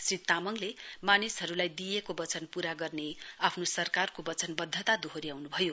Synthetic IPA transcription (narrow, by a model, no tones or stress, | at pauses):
srit̪amʌŋlemanisɦʌɾulajd̪ijekobʌt͡sʌnpuɾaɡʌrneapʰnosʌrkarkobʌt͡sʌnbʌd̪ʱːʌt̪ad̪uɦoɾijawnubʱʌjo